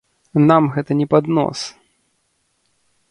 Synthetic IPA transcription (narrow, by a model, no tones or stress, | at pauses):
namɣɛt̪ɐnʲɛpad̪nɔ̰s